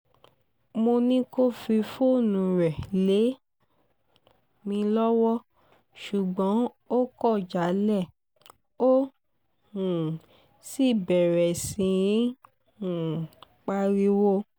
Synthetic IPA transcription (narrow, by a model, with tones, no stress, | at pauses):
mo˧nĩ˦ko˦fi˧fo˦˨nũ˨ɾɛ˨le˨˦ | mĩ˧lɔ˦wɔ˦ | ʃu˨ɡ͡bɔ̃˨˦ | o˦kɔ˦˨d͡ʒa˨˦lɛ˦˨ | o˦ | hũ˨ | si˦˨bɛ˨ɾɛ˨sĩ˨˧ĩ˨˦ | hũ˨ | k͡pa˧ɾi˧wo˦